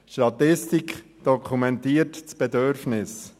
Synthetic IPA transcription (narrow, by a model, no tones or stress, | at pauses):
ʃtɑt̪ɪstikχ | d̥ɔkʰχumɛntiːətt͡sb̥ɛdøɾfnɪs